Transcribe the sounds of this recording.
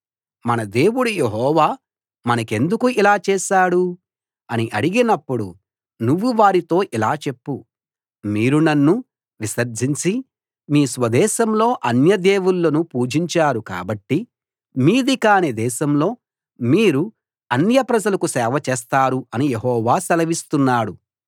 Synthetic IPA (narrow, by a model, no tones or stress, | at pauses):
mɐnɐd̪e̞ːwuɽujeɦɔːʋaː | mɐnɐke̞nd̪ukuilaːt͡ʃɛːʃaːɽu | ɐniʔɐɽiɡinɐpːuɽṵ | nuʋːuʋaːɾit̪o̞ːʔilaːt͡ʃe̞pːu | miːɾunɐnːu | ʋisɐɾd͡ʒiɲt͡ʃi | miːsʋɐd̪ɛːʃɐmlo̞ːʔɐnjɐd̪eːwulːɐnupuːd͡ʒiɲt͡ʃaːɾuka̰ːbɐʈːi | miːd̪ikaːned̪ɛːʃɐmlo̞ː | miːɾu | ɐnjɐpɾɐd͡ʒɐlɐkusɛːʋɐt͡ʃɛːst̪aːɾuɐnijeɦɔːʋaːsɐlɐʋist̪unːaːɽu